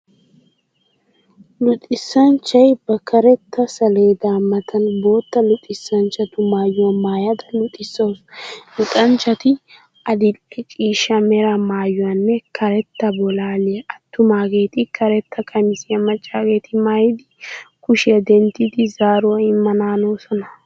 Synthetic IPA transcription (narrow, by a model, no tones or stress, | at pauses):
lʊt̪ʼːɪsːɐnt͡ʃːɐjbɐkɐɾɛt̪ːɐsɐleːd̪aːmːɐt̪ɐnboːt̪ːɐlʊt̪ʼːɪsːɐnt͡ʃːɐt̪ʊmaːjʊwɐmaːjɐd̪ɐlʊt̪ʼːɪsːɐwslʊt̪ʼɐnt͡ʃːɐt̪ɪ | ɐd̪ɪkʼːɪkʼiːʃːɐmɛɾɐmaːjʊwɐnːɛkʰɐɾɛt̪ːɐbɔlaːleʔɐt̪ːʊmaːɡe̞ːt̪ɪkʰɐɾɛt̪ːɐkʰɐmɪsɪjɐmɐt͡ʃʼːaːɡe̞ːt̪ɪmaːjɪd̪ɪkʊʃɪɐd̪ɛnt̪ːɪd̪ɪzaːɾɔwɐɪmːɐnaːnoːsɔnɐ